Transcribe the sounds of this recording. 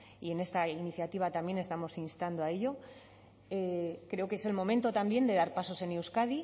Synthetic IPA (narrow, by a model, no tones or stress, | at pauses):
ie̞ne̞st̪ainiθjat̪iβ̞at̪ambje̞ne̞st̪amo̞sinst̪and̪oae̞ʎo̞ | ekɾe̞okeese̞lmo̞mẽnt̪ot̪ambje̞nd̪e̞ðaɾpaso̞se̞newskaði